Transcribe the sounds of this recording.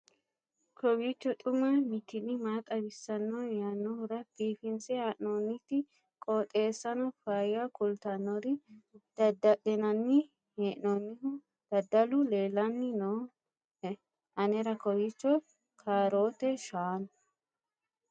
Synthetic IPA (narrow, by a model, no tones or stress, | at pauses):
kʰɔbit͡ʃːɔt̪ʼʊmɐmɪt̪ːɪnɪmaːt̪ʼɐbɪsːɐnːɔjɐnːɔhʊɾɐbiːfɪnsɛɐʔnoːnːɪt̪ːɪ | kʼoːt̪ʼe̞ːsːɐnɔfajɐkʊlt̪ɐnːɔɾɪd̪̥ɐd̪ɐʔɛnɐnːɪ | heːʔnɔːnːɪhʊ | d̪̥ɐd̪ɐlʊleːlɐnːɪno | ɐnɛɾɐkɔbit͡ʃːɔ | kʰaːɾo̞ːt̪ɛʃaːnʊ